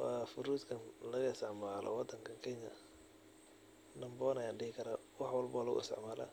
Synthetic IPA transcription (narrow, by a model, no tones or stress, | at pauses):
wɑfʊɾuːt̪kʰɐnlɐɣɐɪsɛʕmaːlʔɔ̰wɑd̪ɐŋkʰɐkʰɛɲɐ | nɐmbɔːnɐjaːɖɪhɪkʰɐɾa | wɑħwɑlbɔlɐɣʊ̰ɪ̰st̪ʰɛ̰ʕmaːla̰ː